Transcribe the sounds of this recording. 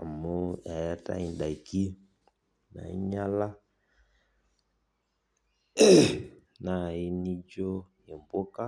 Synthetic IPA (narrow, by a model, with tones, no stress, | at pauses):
a̰˨mo˦a˨ja˦ta̰˦i˨nda˨ki˦ | na̰˨i˦ɲa˦la˦ | na˨i˦ni˦d͡ʒo˦je˨mbo˦ka˦